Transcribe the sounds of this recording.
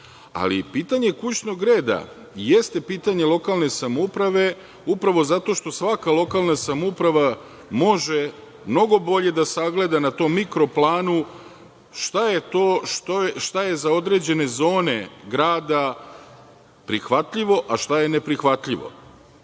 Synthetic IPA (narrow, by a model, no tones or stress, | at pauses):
a̰lḭpiːt̪aɲe̞kut͡ɕno̞ɡɾe̞ːd̪a̰ | jest̪e̞piːt̪aɲe̞lˠo̞kalˠne̞samoupɾaʋe̞ | upɾaʋo̞zat̪o̞ʃt̪o̞sʋakalˠo̞kalˠnasamoupɾaʋa | mo̞ʒe | mno̞ɡo̞bo̞ʎe̞d̪asaɡle̞d̪anat̪o̞mːikɾo̞plˠaːnu | ʃt̪ajet̪oːʃtoʃt̪aje̞zao̞d̪ɾe̞d͡ʑe̞ne̞zo̞ːne̞ɡɾaːd̪a | pɾixʋat̪ʎiʋo̞ʔaʃt̪aje̞ne̞pɾixʋat̪ʎʲiʋo̞̰